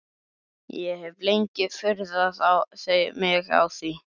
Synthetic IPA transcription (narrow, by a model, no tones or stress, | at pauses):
jɛhɛvlejɲcɪfʏɾðaðawseːj̰mɪɣa̰wθi